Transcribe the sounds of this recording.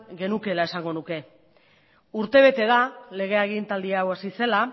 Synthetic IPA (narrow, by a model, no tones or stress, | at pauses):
ɡe̞nuke̞lae̞saŋɡo̞nuke̞ | uɾt̪e̞β̞e̞t̪e̞ðale̞ɣ̞e̞aɣint̪ald̪iawasise̞la